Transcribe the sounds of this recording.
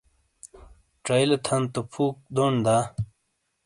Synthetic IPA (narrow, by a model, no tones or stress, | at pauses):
ʈ͡ʂajlet̪ʰɐnt̪opʰuːk̚d̪oɳd̪aː